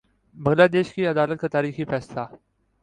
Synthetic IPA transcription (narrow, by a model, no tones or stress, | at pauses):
bɐŋlaːd̪eːʃkiɐd̪aːlət̪̚kat̪aːɾiːxifɛːslaː